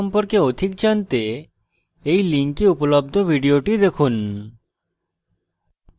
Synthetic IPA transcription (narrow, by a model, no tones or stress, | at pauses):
ɔmpoɾkeod̪ʱik̚d͡ʑant̪e | ejliŋkiupolob̚d̪ʱobʱiɖioʈid̪ekʰun